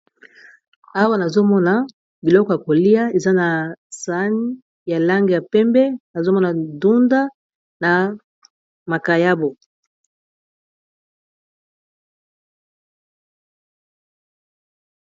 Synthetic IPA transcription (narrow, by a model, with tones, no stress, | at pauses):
a˦wa˦na˨zo˦mɔ˦na˨ | bi˨lɔ˦kɔ˨ja˨ko˨li˦a˦e˨za˦na˨sa˦ni˦ | ja˨la˦ŋɡe˨ja˨pɛ˦mbɛ˦na˨zo˦mɔ˦na˨du˦nda˦ | na˨ | ma˨ka˨ja˦bo˨